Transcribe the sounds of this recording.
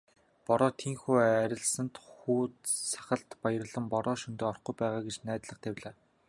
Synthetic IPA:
pɔɾɔːt̪ʰiːŋxuːæɾʲɪ̆ɮsə̆nt̪xuːsʰḁχə̆ɬt̪pajə̆rə̆ɮə̆mpɔɾɔːʃɵnt̪eːɔrχɡujpæːʁaːɡet͡ɕnæːt̪ɮə̆χt̪ʰæwʲɮaː

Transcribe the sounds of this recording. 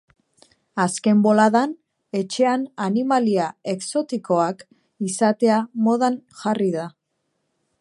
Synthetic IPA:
aske̞mbo̞laðan | e̞t͡ʃe̞ananimaliae̞kso̞t̪iko̞ak | isat̪e̞amo̞ðanʝariða

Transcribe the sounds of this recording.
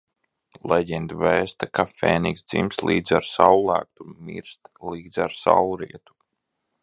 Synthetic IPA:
lˠɛɟɛnd̪vɛːst̪akafeːniksd̪zḭmslˠḭːd̪zaɾsawlˠæ̰ːk̚t̪umḭɾst̪liːd̪zʲaɾsa̰wɾiɛt̪u̥

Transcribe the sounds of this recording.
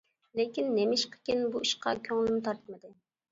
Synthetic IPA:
lekʲinːemɪʃqʰə̥kʲinbuiʃqʰɑ̰kʲʰøŋlɪmt̪ʰɑɾt̪ʰmɨd̪ɨ

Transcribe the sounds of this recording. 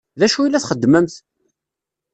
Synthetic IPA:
ðæʃuilːæθχəd̪ːməmθ

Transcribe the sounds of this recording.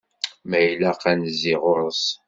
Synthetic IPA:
mæjlæqænziʁʊɾəs

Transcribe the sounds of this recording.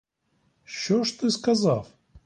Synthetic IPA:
ɕoʂt̪ɨskɐzaf

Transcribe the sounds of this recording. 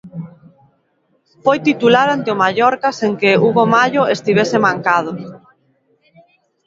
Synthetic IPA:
fojt̪it̪ulaɾant̪ɪomaʎɔɾkaseŋkeuβomaʎoest̪iβesɪmaŋkað̞ʊ

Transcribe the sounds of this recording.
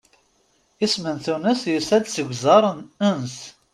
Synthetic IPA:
ismənθunəsjəsæd̪səɡʷzɑɾˤəns

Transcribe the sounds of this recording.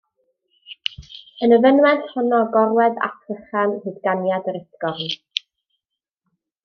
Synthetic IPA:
ənəvənwɛnθhʊnɔɡɔɾwɛða̰tʰrəχanhɨðɡanjadəɾəθɡ̥ɔvn

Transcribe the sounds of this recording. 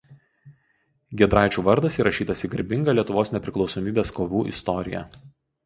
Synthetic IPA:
ɡʲɛd̪ɾɑˑɪt͡ʃʲuːʋɐɾd̪ɐsiːɾɐʃʲiːt̪ɐsʲɪɡɐɾʲbʲɪŋɡɐlʲiɛt̪ʊʋoːsnʲɛpʲɾʲɪklˠɒʊsɔmʲiːbʲeːskoːʋʲuːʔɪ̰st̪ɔɾʲɪ̰jɛ̰

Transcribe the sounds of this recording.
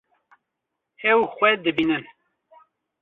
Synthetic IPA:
ɛwxʷɛd̪ɨbiːnɨn

